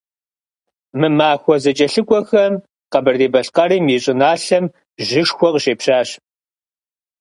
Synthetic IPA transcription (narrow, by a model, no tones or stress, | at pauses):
mɨmaːxʷɔzɐt͡ʃʼɐɬɨkʷʼɔxɐm | qɐbɐrdeːbɐɬqɐriːmiɕʼɪnaːɬɐm | ʒɪʂxʷɔqɕeːpɕaːɕ